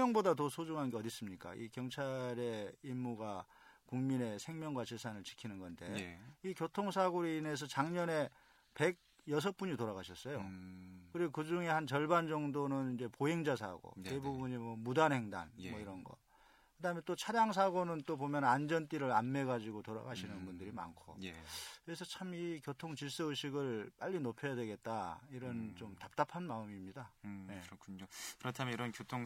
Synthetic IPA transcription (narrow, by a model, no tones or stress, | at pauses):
ʌŋbodat̬ʌsʰod͡ʑoŋɦanɡeʌdis͈ɯmɲik͈a̰ʔḭkjʌŋt͡ɕʰaɾe̞imːuɡa | kuŋmine̞sʰe̞ŋmjʌŋɡwat͡ɕesʰanɯɭt͡ɕi̥kʰinɯnɡʌnde̞ikjotʰoŋsʰaɡoɾine̞s̬ʰʌt͡ɕaŋɲʌne̞ | pe̞ɡ̚ | jʌs̬ʰʌp͈uɲitoɾaɣaɕʰʌs͈ʌjo̰kɯɾiɡokɯd͡ʑuŋe̞hant͡ɕʌɭband͡ʑʌŋdonɯnind͡ʑe̞poɦeŋd͡ʑas̬ʰa̰ɡo̰te̞bubuɲimʌmudanɦe̞ŋda̰nmʌiɾʌnɡʌ̰ | kɯdaɦɯmjʌnt͈ot͡ɕʰaɾjaŋs̬ʰaɡonɯnt͈opomjʌnand͡ʑʌnt͈iɾɯɾanme̞ɡad͡ʑiɡotoɾa̰ɡaɕʰinɯnbundɯɾima̰nkʰo̰kɯɾe̞sʰʌt͡ɕʰamikjotʰoŋt͡ɕiɭs͈ɯɯɕʰiɡɯɭp͈aʎːinopʰjʌjadwe̞ɡe̞t̚t͈aiɾʌnt͡ɕomtap̚t͈apʰanmaɯmimɲidaje̞kʰɲokɯɾʌtʰameiɾʌnkjotʰoŋ